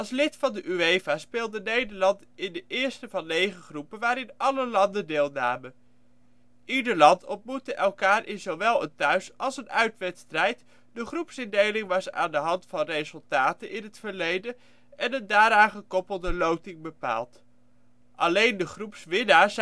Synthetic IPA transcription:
ɑlˠslɪtfɑndəʔyejvaːspɪːlˠdənejdəɹlɑnt | ɪndəʔɪːɹstəvɑnːejχəχrupənʋaːɾɪnɑləlɑndəndɪːlˠnaːmən | ʔidəɹlɑntʰɔntmutəʔɛlˠkaːɾʔɪnzowʋɛlˠəntœɥsɑlˠsənœɥtʋɛtstrɛjt | dəχrupsɪndejlɪŋʋɑsa̰ːndəɦɑntfɑnrezɵlˠtaːtənʔɪnɦətfəɹlejdən | ɛnəndaːɾaːŋχəkɔpəlˠdəlowtɪŋbəpa̰ːlˠt | ʔɑlejndəχrupsʋɪnaːɹs

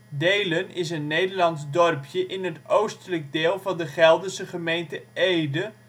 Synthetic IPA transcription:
dejlənɪs̬ənːejdəɹlɑnsdɔrpʰjəʔɪnɦətowstələk̚deːlˠvɑndəχɛlˠdəsəχəmejntəejdə

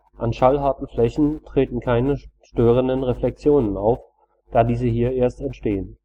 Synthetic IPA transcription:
ʔanʃalɦaɐtn̩flɛçn̩tʁ̥eːtn̩kʰaɪnəʃtøːʁəndənʁeflɛk̚t͡sjoːnəna̰ʊf | d̥aːdiːzəɦiːɐʔeːɐstɛntʃteːən

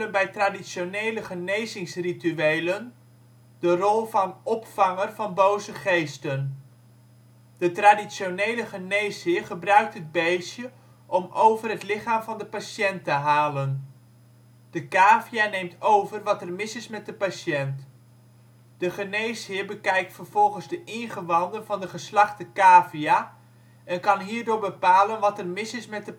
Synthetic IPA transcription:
ənbɛjtradisonejləχənejzɪŋsrityejlən | d̥ərɔlˠvɑnɔpfɑŋərvɑnbowzəχejstən | d̥ətradisonejləχənejshɪːrχəbrœɥk̚tɦəd̚bejsjə | ʔɔmowvərɦətlɪχaːmvɑndəpaʃɛntəɦaːlən | d̥əkaːvianejmtowvərʋɑtərmɪsɪsmɛt̚dəpaʃɛnt | d̥əχənejshɪːɹbəkɛjk̚tfərv̥ɔlˠχənzdəʔɪnχəʋɑndənvɑndəχəslɑχtəkaːvija | ʔɛnkɑnɦiːɹdʊːɹbəpaːlənʋɑtərmɪsɪsmɛt̚də

